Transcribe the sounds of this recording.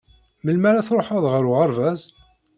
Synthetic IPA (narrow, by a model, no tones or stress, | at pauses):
məlmæɾæθɾˤoħæðˤʁəɾʊʁəɾvæz